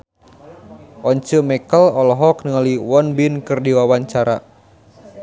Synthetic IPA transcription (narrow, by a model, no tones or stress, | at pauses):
ʔɔɲt͡ʃəmɛkəlɔlɔɦɔknəŋaliwɔnbinkɨrdiwawaɲt͡ʃaɾa̰